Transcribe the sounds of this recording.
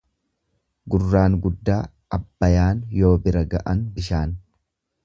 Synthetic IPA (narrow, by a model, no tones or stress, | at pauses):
ɡʊrːaːŋɡʊd̪ːaː | ɐbːɐjaːnjo̞ːbɪɾɐɡɐʔɐnbɪʃaːn